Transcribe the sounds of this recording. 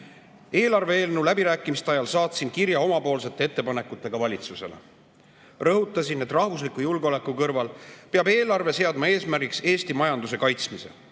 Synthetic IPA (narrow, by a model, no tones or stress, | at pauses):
e̞ːlɑrve̞eːlnulæbiɾæːkːˑimist̪eɑjɑlsɑːt̪sinkiɾjɑo̞mɑpo̞ːlse̞t̪ːˑe̞e̞t̪ːepɑne̞kːˑut̪ːˑe̞ɡ̥ɑvɑlʲit̪suse̞̰lḛ | rɤɦut̪ːˑɑsinːet̪rɑhvus̬likujulɡeo̞le̞kːukɤrvɑlpeɑbe̞ːlɑrve̞se̞ɑd̪mɑe̞ːsmæɾrɡikse̞ːst̪imɑjɑnd̪use̞kɑjt̪smise̞̰